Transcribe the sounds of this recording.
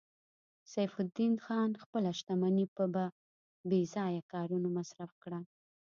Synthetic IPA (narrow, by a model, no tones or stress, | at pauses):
sajfʊd̪inxɑnxpəlaʃt̪amanipəba | bezɑjakɑɾunamasɾafkɽa